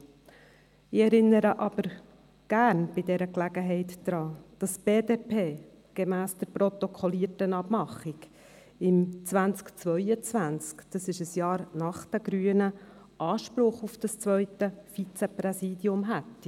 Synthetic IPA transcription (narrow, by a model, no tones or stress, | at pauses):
ɪɛɾɪnːəɾəʔɑb̥əɾ | ɡ̥æːɾnb̥ɪdɛɾəklæɡəɦɛɪt̪d̥ɾɑːd̥ɑsb̥eːdepʰeː | ɡ̥ɛmæːsd̥əɾprɔt̪ɔkʰɔliətənɑbmɑχiɡ | ɪmt͡sʋænt͡skt͡svœʏət͡sʋænt͡skd̥ɑsɪʃəsjɑːɾnɑχtæɡɾyːənə | ʔɑːʃpɾʊχufd̥ɑst͡svʋœʏtəfit͡sɛprɛsiːdjʊmɦætː